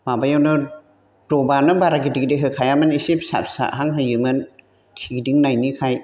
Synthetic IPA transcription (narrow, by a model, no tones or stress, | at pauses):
mabajawnɯ | dobanɯbaɾaɡidikdiɦɯkʰajamanisip̚sa̰p̚sa̰ʔɦaŋɦɯjɯmɯn | tʰiɡdiŋnajnikʰaj